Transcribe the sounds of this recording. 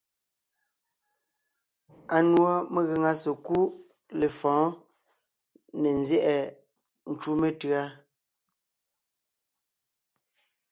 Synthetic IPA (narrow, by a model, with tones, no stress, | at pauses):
a˨nwɔ˦me˨ɣe˨ŋa˦se˨ku˦ | le˨fɔ̃ː˨˦ | ne˨nzjɛ˦ʔɛ˨ | n̩˨t͡ʃu˦me˦tɰa˦